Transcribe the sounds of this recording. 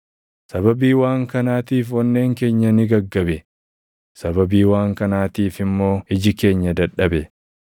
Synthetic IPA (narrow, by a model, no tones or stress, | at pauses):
sɐbɐbiːwaːŋkɐnaːt̪iːfwɐnːe̞ːŋke̞ːɲːɐnɪɡɐɡːɐbɛ | sɐbɐbiːwaːŋkɐnaːt̪iːfɪmːo̞ːɪd͡ʒɪke̞ːɲːɐd̪ɐɗɐbɛ